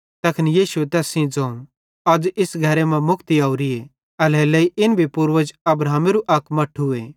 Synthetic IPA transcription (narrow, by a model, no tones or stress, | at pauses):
t̪ɐkʰnijiːsuet̪ɛːsĩd͡zɐ̃ːũ | ɐd͡ʒɪsɡʱɐɾemɛ̃mʊkt̪iaːuɾie | ɐleːlɐiʔɪnbʱipʊɾʋəd͡ʒɐbɾaːmeɾuʔɐkmɐʈʰɦʊeː